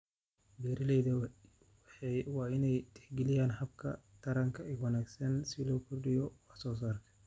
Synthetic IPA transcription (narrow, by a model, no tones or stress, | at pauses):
bɛːɾɪlɛjðɐ | wɑːɪnɛjt̪ʰɛħɡɛlɪjaːnhɐbkʰɐ̰t̪ʰɐɾɐŋkʰɐɪɡwɑnaːɡsɐnsɪlɔːkʰʊrɗɪjɔwɑħsɔːs̬aːrkʰɐ̥